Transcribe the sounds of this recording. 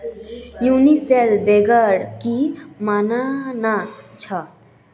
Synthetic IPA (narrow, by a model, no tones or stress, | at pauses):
juniselbeɡəɽkimaːnanat͡ʃʰə